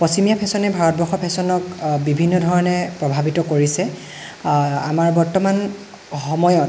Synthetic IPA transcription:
pɔsimijapʰɛsɔnɛbʱaɹɔt̚bɔxɔpʰɛsɔnɔkbibʱinːɔdʱɔɹɔnɛpɹɔbʱabitɔkoɹisɛ | amaɹbɔɹtɔman | xɔmɔjɔt

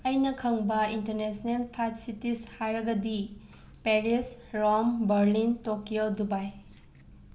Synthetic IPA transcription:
ɐjnɐkʰɐŋbɐintɐɾnesnelpʰajbsitishajɾɐɡɐdi | peɾisɾombɐɾlintokijodubaj

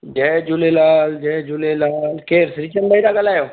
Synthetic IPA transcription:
d͡ʒeːd͡ʒulelaːld͡ʒeːd͡ʒulelaːlkeːɾsɾit͡ʃənbəiɾaɡəlaːjoː

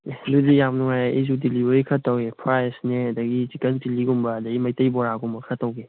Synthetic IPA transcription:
dudijamnuŋajizudilibʱɐɾikʰɐtːɐwepʰɾajsneɐdɐɡizikɐntiliɡumbɐːdɐɡimɐjtɐjbɔɾaɡumbɐkʰɐtːɐwɡe

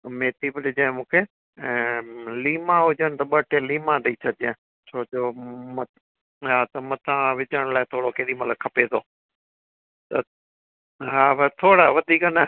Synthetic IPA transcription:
meːt̪iːbɪɗɪd͡ʒaːɪ̃mũːkʰẽː | liːmãɦʊd͡ʒəɽ̃ɪt̪ɐɓɐʈẽliːmãɗɐiːsʰɐd͡ʒẽ | t͡ʃʰoːd͡ʑoːmɐt̪ | ɦaːt̪ɐmɐt̪ʰãʋɪt͡ʃəɽ̃laːɪt̪ʰoːɽokeːɗimɐləkʰːɐpet̪ʰoː | t̪ɐ | ɦaːʋt̪ʰoːɽaʋɐd̪ʱiːkənɐ

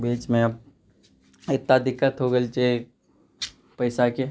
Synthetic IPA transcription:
biːt͡ʃmẽəb̚ | ɪt̪nad̪ɪkːət̪ɦoɡəlt͡ʃe | pɐɪsake

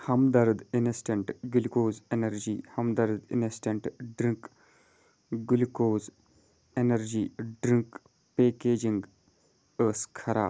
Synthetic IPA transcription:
hɐmd̪ɐɾd̪inesʈeɳʈɡulikoːzenɐɾd͡ʒiːhɐmd̪ɐɾd̪ḭnesʈeɳʈɖɾĩŋk | ɡulkoːz | enɐɾd͡ʒiːɖɾiŋk | peːkeːd͡ʒiŋɡ | əːskʰɐɾa̰ː

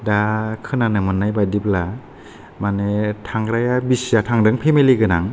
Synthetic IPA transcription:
dakʰɯnanɯmɯnːajbadibla | manetʰaŋɾajabisijatʰaŋdɯŋpʰemeliɡɯnaŋ

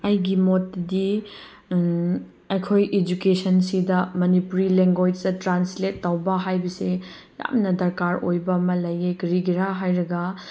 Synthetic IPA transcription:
ɐjɡimotːdi | ɐjkʰojed͡ʒukesɐnsidɐmɐnipuɾileŋɡojsdɐtɾansletːawbɐɦajbɐse | ja̰mnɐdɐɾkaɾo̰jbɐmɐlɐjekɾiɡiɾaɦajɾɐɡɐ

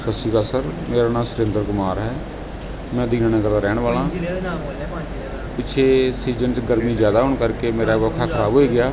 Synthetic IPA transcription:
səsiːkaːsəɾmeːɾaːnãːsʊɾẽːnd̪əɾkʊmaːɾɦɛː | mɛ̃ːd̪iːnaːnãːkəɾd̪aːɾɛːɳʋaːlãː | pɪt͡ʃʰeːsiːzənt͡ʃɡəɾmiːd͡ʒjaːd̪aːɦʊːɳkəɾkeːmeːɾaːʋəkʰaːkʰəɾaːbɦoːiːɡɪjaː

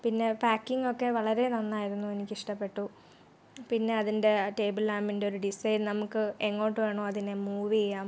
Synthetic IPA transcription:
pinːe̞paːkːiŋo̞kːe̞ʋɐɭɐɾe̞nɐnːaːjiɾunːue̞nikʲːiʂʈɐpːe̞ʈːu | pinːe̞ɐðinde̞ʈe̞ːbilaːmindeo̞ɾuɖisɐjlnɐmukːɨeŋːo̞ːʈːɨʋe̞ːɳoːɐðinemuːʋiejːaːm

